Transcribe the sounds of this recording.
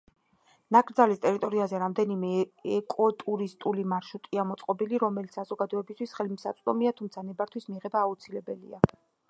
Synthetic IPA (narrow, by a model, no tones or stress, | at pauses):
nakʼɾd̪zalist̪ʼɛɾit̪ʼɔɾiazɛɾamd̪ɛnimɛɛkʼɔt̪ʼuɾist̪ʼulimaɾʃut̪ʼiamɔt̪sʼqʼɔbiliɾɔmɛlit̪ssazɔɡad̪ɔɛbist̪ʰwisχɛlimsa̰t̪sʼd̪ɔ̰miat̪ʰumt̪sʰanɛbaɾt̪ʰwismiʁɛbaːut̪sʰilɛbɛlḭa